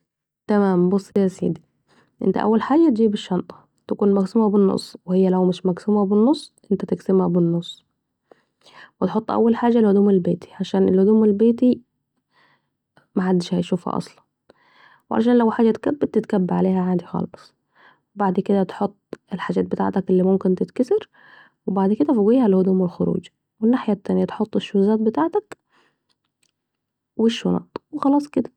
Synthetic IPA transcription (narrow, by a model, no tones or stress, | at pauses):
t̪æmæːmbosˤːejːæsḭːd̪i | ʔɪ̰nt̪æ̰ʔæ̰wːælħaːd͡ʒæt̪̚d͡ʒiːbɪʃːɑnt̪ˤɑ̥ | t̪ækuːnmæɡsuːmæbɪnːo̰sˤːwehɪjːælæwmɪʃmæɡsuːmæbɪnːosˤːʔɪnt̪æt̪ɪksɪmhæbɪnːosˤː | wet̪ħot̪ˤːʔæ̰wːælħaːd͡ʒælhʊd̪uːmelbeːt̪i̥ʕaʃæːnʔelhʊd̪uːmelbeːt̪i | mæħad̪ːɪʃhæjʃuːfhæ̰ʔɑ̰sˤlɑn | wʕa̰lʃaːnlæwħaːd͡ʒːæt̪kæbːɪt̪ɪt̪kabːaʕaleːhæʕand̪ixɑ̰lɑɑsˤ | wbaʕd̪kɪd̪æt̪ħot̪ˤːɪlħad͡ʒaːt̪bɪt̪a̰ʕt̪ækɪlːiːmʊmkɪnt̪ɪt̪kasɪɾ | wɪbaʕd̪kɪd̪æfʊɣiːhælhʊd̪uːmɪlxʊɾṵːd͡ʒ | wɪnːaːħjat̪ːæːnjæt̪ħot̪ˤːɪʃːʊzaːt̪̚bɪt̪aːʕt̪æk | wɪʃːʊnæ̰ːt̪ˤwexɑlɑːsˤkɪd̪æ̥